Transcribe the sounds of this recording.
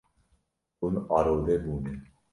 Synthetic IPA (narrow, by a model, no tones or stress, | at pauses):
unɑɾoːd̪ebuːni